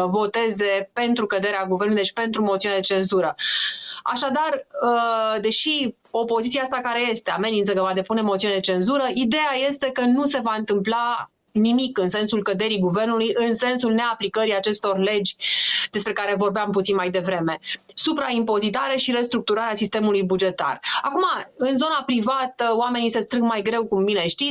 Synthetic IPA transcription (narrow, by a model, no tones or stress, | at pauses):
vo̞t̪e̞ze̞pe̞nt̪ɾukəd̪e̞ɾeaɡuve̞rnlujd̪et͡ʃpe̞nt̪ɾumo̞t̪siunead̪e̞t͡ʃe̞nzuɾə | a̰ʃad̪arəd̪e̞ʃi | o̞po̞zit̪siaast̪akaɾe̞je̞st̪e̞a̰me̞nint̪səkəvad̪e̞pune̞mot̪siuned̪et͡ʃe̞nzuɾəʔid̪e̞aje̞st̪e̞kənuse̞vaɨnt̪ɨmpla | nimikɨnse̞nsulkəd̪e̞ɾiɡuve̞rnulujɨnse̞nsulne̞aplikəɾiat͡ʃe̞st̪o̞rle̞d͡ʒʲd̪̥e̞spɾe̞kaɾe̞vo̞rbeamput̪sinmajd̪e̞vɾe̞me̞supɾaimpo̞zit̪aɾe̞ʃiɾe̞st̪ɾuk̚t̪uɾaɾeasist̪e̞mulujbud͡ʒe̞t̪a̰rakumaɨnzo̞napɾivat̪əoame̞nisest̪ɾɨŋɡmajɡɾe̞wkumbine̞ʃt̪i